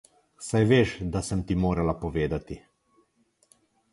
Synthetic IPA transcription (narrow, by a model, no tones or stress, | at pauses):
sajʋeːʃd̪asəmt̪imoːɾalapɔʋeːd̪at̪i